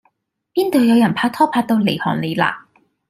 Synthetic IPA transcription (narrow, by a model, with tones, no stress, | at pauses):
piː˥nt̪o˨wjɐ˨˧wjɐ˨˩npʰaː˧k̚t̪ʰɔː˥pʰaː˧k̚t̪o˧wle˨˩jhɔ̰ː˨˩nle˨˧jla̰ː˧˩